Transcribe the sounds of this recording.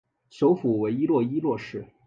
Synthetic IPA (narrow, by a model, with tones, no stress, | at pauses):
ɕjo˧˥ʊfu˨˩we˧˥ɪi˥lwɔ˥˧i˥lwɔ˥˧ʂɻ̩˥˩